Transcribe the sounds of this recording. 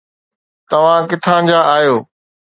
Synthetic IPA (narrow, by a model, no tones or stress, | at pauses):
t̪ɐʋ̤ãkɪt̪ʰãːd͡ʑaːaːjoː